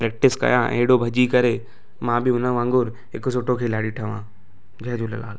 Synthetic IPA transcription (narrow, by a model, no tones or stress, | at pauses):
pɾɛːk̚ʈɪskɐ̰jãʔḛːɽobʱɐd͡ʑikɐɾe | mãːbʱɪʊnə̃ʋãːŋɡʊɾ | ɦekos̬oːʈokʰeːlaːɽiʈʰɐʋã̰ː | d͡ʑɐɦd͡ʑoːlɐ̰laːl